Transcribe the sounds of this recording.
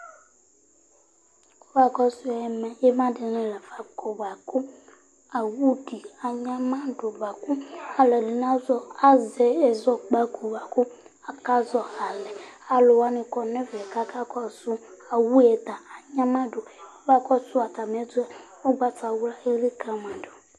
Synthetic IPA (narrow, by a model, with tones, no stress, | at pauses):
ko˦ba˨kɔ˦sʊ˦ɛ˨mɛ˨jɛ˦mã˦dɪ˨nɛ̃˨lɛ˨va˨ko˨ba˨kʊ˦ | a˨wu˦di˨a˨ɲã˦mã˦ɖo˨ba˨ku˦a˨lɛ˨di˨n˦ã˦zɔ˦a˦zɛ˨ɛ˨zɔ˦ɡ͡ba˦ko˨ba˨kʊ˦ | a˨ka˦zɔ˨a˨lɛ˨a˨lʊ˨wa˦nɪ̃˨kɔ˨nɛ̃˦vɛ˨ka˦ka˦kɔ˦sʊ˦a˨wu˦ɛ˨t̪a˨a˨ɲã˦mã˦do˨o˦va˦kɔ˦sʊ˦a˨t̪a˨m˨˦ɛ˦dʊ˦ɛ˨ | o˦ɡ͡ba˦ta˨wu˦la˦e˦li˦kã˨mã˨do˨